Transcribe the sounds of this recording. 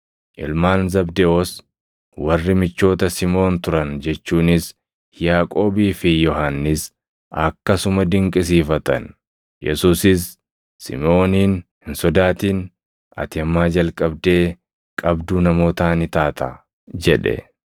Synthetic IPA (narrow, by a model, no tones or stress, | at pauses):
ʔɪ̰lmaːnzɐbd̪ɛʔoːs | wɐrːɪmɪt͡ʃːo̞ːt̪ɐsɪmo̞ːnt̪ʊɾɐnd͡ʒɛt͡ʃːuːnɪs | jaːkʼo̞ːbiːfɪjɔɦanːɪs | ɐkːɐsʊmɐd̪ɪŋkʼɪs̬iːfɐt̪ɐ̰n | jɛsuːsɪsː | ɪ̰mo̞ːniːnhɪnsɔd̪aːt̪iːn | ɐ̰t̪ɪɐmːaːd͡ʒɐlkʼɐbd̪e̞ː | kʼɐbd̪uːnɐmo̞ːt̪aːnɪt̪aːt̪ʰɐ | d͡ʒɛᶑɛ̰